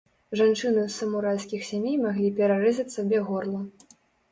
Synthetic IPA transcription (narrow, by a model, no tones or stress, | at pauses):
ʐant͡ʂɨnɨsɐmuɾalʲsʲkʲixsʲamʲejmaɣlʲipʲɛɾaɾɛzʲɐt͡sʲsɐbʲɛɣɔrlˠɐ